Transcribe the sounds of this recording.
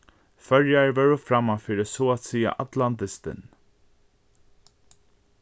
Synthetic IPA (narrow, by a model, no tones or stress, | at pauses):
fœɹjaɹvœɹʊfɾamːafɪɾɪsɔat̪siːa̰ʔat̪lant̪ɪst̪ɪ̰n